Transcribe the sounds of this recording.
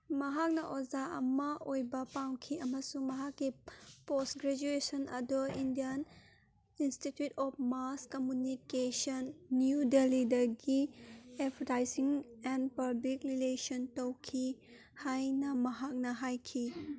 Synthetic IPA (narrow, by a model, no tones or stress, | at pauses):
mɐɦak̚nɐʔozaɐ̰mɐojbɐpawkʰiɐmɐsumɐɦakːipostɡɾed͡ʒuesɔnɐ̰duindijɐn | institjutɔp̚ʰmaskomjunikesɔnːjudelidɐɾɡiepʰɐɾtajsiŋɛnpɐblikɾilesɔntowkʰi | hajnɐmɐɦak̚nɐɦajkʰi